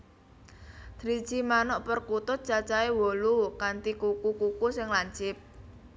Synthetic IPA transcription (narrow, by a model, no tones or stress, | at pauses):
d̪̥ɾi̥t͡ʃimanɔʔpərkut̪ʊt̪̚t͡ʃat͡ʃaewɔlukant̪ikukukukusɪŋlaɲt͡ʃɪp̚